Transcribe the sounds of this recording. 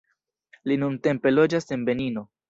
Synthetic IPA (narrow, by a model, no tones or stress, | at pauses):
linunte̞mpe̞lo̞d͡ʒase̞nbe̞nino̞